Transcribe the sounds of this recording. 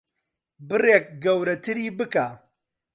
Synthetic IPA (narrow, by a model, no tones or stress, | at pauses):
bɨreːk̚ɡɐwɾɐt̪ʰɨɾiːbɨkaː